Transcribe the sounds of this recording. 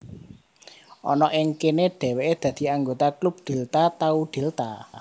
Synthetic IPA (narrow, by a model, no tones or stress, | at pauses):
ʔɔnɔʔɪŋkeneɖ̥ɛ̤weʔed̪̥ä̤d̪̥i̤aŋɡot̪aklup̚d̪̥e̤lt̪at̪auɖ̪̥e̤lt̪a̰